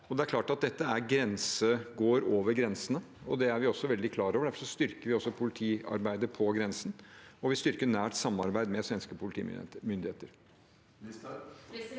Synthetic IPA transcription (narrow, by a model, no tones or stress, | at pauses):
ɔd̪ɛæɾkʰlɑːʈɑt̪̚d̪ɛt̪ːəæɾɡɾɛnsəɡoːɾoːʋəɾɡɾɛnsənə | ɔd̪ɛæɾʋɪɔsːɔʋɛld̪ɪkʰlɑːɾɔʋəɖæɾfɔ̥ʂɔst̪ʏɾkəɾʋɪɔsːɔpʰʊlɪt̪ʰiːɑ̰ɾbæɪd̪əpʰɔɡɾɛnsən̩ɔʋɪst̪ʏɾkəɳæːʈsɑmːɑɾbæɪd̪mɛsʋɛnskəpʰʊlɪt̪ḭːmʏnd̪ɪheːt̪əɾ